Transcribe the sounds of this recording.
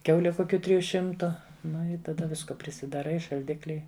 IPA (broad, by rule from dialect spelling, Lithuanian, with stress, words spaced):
ˈkʲɛʊlʲɛ ˈkʊkʲʊ ˈtʲrʲɪjʊ ˈʃʲɪmtʊ ˈnʊ ɪ tɐˈdɐ ˈʋʲɪskoː pʲrʲɪsʲɪdɐˈrɐɪ ɪ ʃɐlʲˈdʲɪklʲɪ